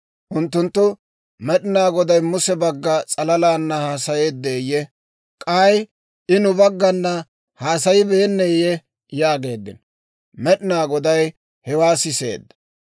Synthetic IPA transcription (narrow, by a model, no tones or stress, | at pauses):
ʔʊnt̪ːʊnt̪ːʊ | mɛɗɪnaːɡɔd̪ɐjmʊsɛbɐɡːɐt͡sʼɐlɐlaːnːɐhaːsɐjeːd̪ːeːjɛ | kʼaːj | ʔɪnʊbɐɡːɐnːɐ | haːsɐjɪbeːnːɛjɛ | jaːɡe̞ːd̪ːɪ̰n | mɛɗɪnaːɡɔd̪ɐj | hɛwaːsɪsḛːd̪ːɐ̥